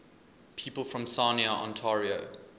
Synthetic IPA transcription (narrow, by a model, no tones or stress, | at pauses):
pʰiːˑpəlˠfɹə̃msaniəʔɔ̰̃ntʰaɹio